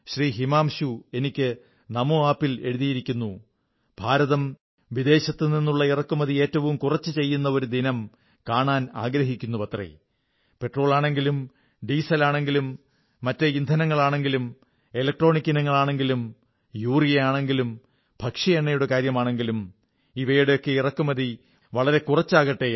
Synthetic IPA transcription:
ɕriːɦimaːmɕue̞nikʲːɨ | nɐmoaːpːile̞ɻuðijiɾikʲːunːu | bʱaːɾɐðɐm | ʋid̪e̞ːɕɐt̪ːɨninːuɭːɐirɐkːumɐðie̞ːtːɐʋumkurɐt͡ɕːɨt͡ɕe̞jːunːɐoɾud̪ʱinɐm | kaːɳaːna̰ːɡɾɐɦikʲːun̪ːupɐt̪rḛ | pe̞ʈro̞ːɭaːɳe̞ŋɡilum | ɖiːsɐlaːɳe̞ŋɡilumː | ɐtːeind̪ʱɐnɐŋːɐɭaːɳe̞ŋɡilum | elɐk̚ʈro̞ːɳikʲːinɐŋːɐɭaːɳeŋɡilum | juːrijejaːɳe̞ŋɡilum | bʱɐkʂɐjɐɳːɐjuɽe̞kaːɾjɐmaːɳe̞ŋɡilum | iʋɐjuɽe̞jo̞kːe̞irɐkːumɐði | ʋɐɭɐɾe̞kurɐt͡ɕːaːɣɐʈːe̞

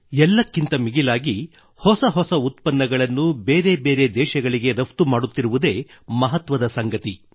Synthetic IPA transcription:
ɛlːɐkːint̪ɐmiɡilaːɡi | hɔsɐɦɔsɐut̪pɐnːɐɡɐɭɐnːubeːɾe̞beːɾe̞d̪ɛːʃɐɡɐɭiɡe̞ɾɐft̪umaːɽut̪ːiɾuʋud̪e̞ːmɐɦɐt̪ʋɐd̪ɐsɐŋɡɐt̪i

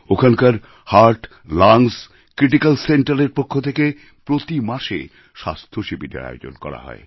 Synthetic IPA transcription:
okʰankaɾ | haɾʈ | laŋs | kɾiʈikalseɳʈaɾeɾpokʰːot̪ʰeke | pɾot̪imaʃḛ | ʃast̪ʰoʃibʱiʈḛɾa̰jo̰d͡ʑo̰nkɔ̰ɾa̰ɦɔ̰ḛ

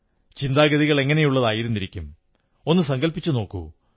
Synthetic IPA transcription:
t͡ɕind̪aːɡɐðiɣɐɭe̞ŋːɐne̞juɭːɐðaːjiɾunːiɾikʲːum | o̞nːɨsɐŋɡɐlpit͡ɕːuno̞ːkːṵ

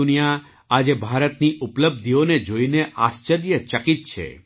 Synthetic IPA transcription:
unija | ad͡ʒebʱaɾət̪niʔupləb̚d̪ʱioned͡ʒoineʔast͡ʃəɾjət͡ʃəkit̪̚t͡ʃʰḛ

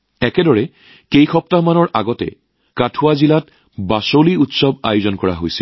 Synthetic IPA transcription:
ɛkɛdɔɹɛ | kejxɔp̚tamanɔɹʔaɡɔtɛ̰ | katʰʊwazilat̚ | basoliutsɔbajʊzɔnkɔɹa̰ɦojsḭl

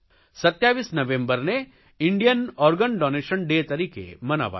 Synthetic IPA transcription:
sɐt̪jaːʋiːsnɐʋẽmbəɾne | ɪ̃ɳɖijənɔːɾɡənɖɔːneːʃənɖeːt̪ɐɾiːkḛmɐna̰ʋa̰

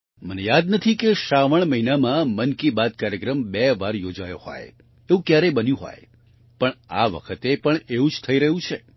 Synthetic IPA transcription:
mənejad̪nət̪ʰikeʃaʋəɳməɦinamãmənkibad̪̚kaɾjəkɾəmbɛʋaɾjod͡ʒajo̰hɔ̰j̪ | eʋũkjaɾebənjũɦɔ̰j | pəɳa̰ʋə̰kʰət̪epəɳeʋũd͡ʒt̪ʰəiɾəɦũt͡ʃʰe

